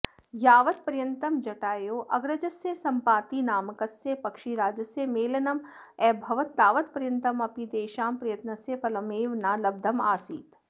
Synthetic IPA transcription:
jaːʋɐt̪pɐɾjɐnt̪ɐmd͡ʒɐʈaːjoːʔɐɡɾɐd͡ʒɐsesɐmpaːt̪inaːmɐkɐsepɐkʃiɾaːd͡ʒɐsemeːlɐnɐm | ɛːbʱɐʋɐt̪̚ːaːʋɐt̪pɐɾjɐnt̪ɐmɐpid̪eːʃaːmpɾɐjɐt̪nɐsefɐlɐmeːʋnaːlɐb̚d̪ʱɐmaːsiːt̪

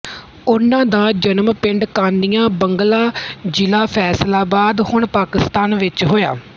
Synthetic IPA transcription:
ʊnãːd̪aːd͡ʒənəmpɪ̃ɳɖkaːnd̪ijãːbəŋɡlaːd͡ʒɪlaːpʰɛːslaːbaːd̪hʊɳpaːkɪst̪aːnʋɪt͡ʃɦoːja̰ː

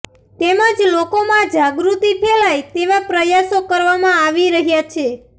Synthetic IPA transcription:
t̪emãd͡ʒlokomãd͡ʒaɡɾut̪ipʰɛlajt̪eʋapɾəjasokəɾʋamãaʋiɾəɦjat͡ʃʰe

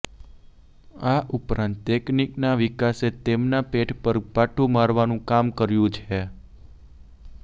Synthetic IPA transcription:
aʔupɾãnt̪ːekniknaʋikaset̪emnapeʈʰpəɾpaʈʰũmaɾʋanũkamkəɾjũt͡ʃʰe

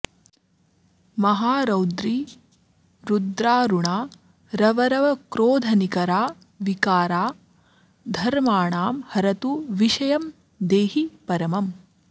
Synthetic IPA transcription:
mɐɦaːɾɐwd̪ɾi | ɾud̪ɾaːɾuɳaː | ɾɐʋɐɾɐʋɐkɾoːd̪ʱɐnikɐɾaː | ʋikaːɾaː | d̪ʱɐɾmaːɳaːmhɐɾɐt̪uʋiʃɐjɐm | d̪eːɦipɐɾɐmɐm

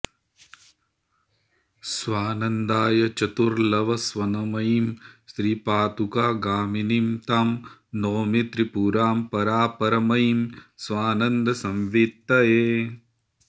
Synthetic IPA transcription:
sʋaːnɐnd̪aːjɐt͡ʃɐt̪uɾlɐʋɐsʋɐnɐmɐjimsɾiːpaːt̪ukaːɡaːminimt̪aːmnoːmit̪ɾipuːɾaːmpɐɾaːpɐɾɐmɐjimsʋaːnɐnd̪ʱɐsɐmʋiːt̪ːɐjeː

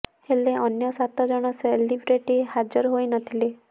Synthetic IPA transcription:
heleʔɔnjɔsat̪ɔd͡ʒɔɽ̃ɔselibɾeʈihad͡ʒɔɾɦojnɔt̪ʰile

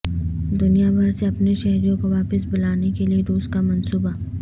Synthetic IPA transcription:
d̪ʊnijabʱɐɾseɐpneʃɐɦɾijõkoʋaːpɪsbʊlaːnekelieɾuːskamɐnsuːba

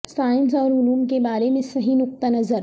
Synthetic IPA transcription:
saːɪns̬ɔːɾɦʊluːmkebaːɾemẽsɐɦinʊq̚t̪anɐzəɾ

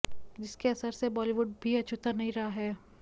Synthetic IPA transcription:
d͡ʒɪskeɐsəɾsebɔːliʋʊɖ̚bʱiɐt͡ʃʰʊt̪əɾnɐɦĩɾɐɦaɦɛː

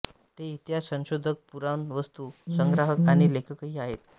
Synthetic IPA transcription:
t̪eit̪jasə̃ŋɕod̪ʱək̚puɾanʋəst̪usəŋɡɾaɦəkaɽ̃ilekʰəkɦiaɦet̪

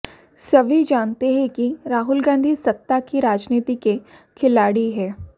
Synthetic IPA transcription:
sɐbʱid͡ʒaːnt̪eɦɛ̃kiɾaːɦʊlɡãːnd̪ʱisɐt̪ːakiɾaːd͡ʒniːt̪ike | kʰɪlaːɽiɦɛː

